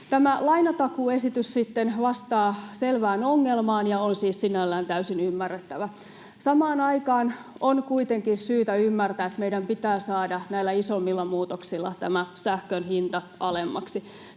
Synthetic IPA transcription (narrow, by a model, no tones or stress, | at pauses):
t̪æmælɑinɑt̪ɑkuesit̪yssit̪ːenʋɑst̪ɑːselʋæːnoŋːelmɑːnjɑonsiːssinælːæːnt̪æysinymːærːet̪ːæʋæ | sɑmɑːnɑikɑːn | ʔonkuit̪eŋkinsyːt̪æymːært̪æːet̪meidæmpit̪æːsɑːdɑnæilːˑæisomːilːɑmuːt̪oksilːɑ̰t̪æmæsæhkønhint̪ɑ | ɑlemːɑ̰ksi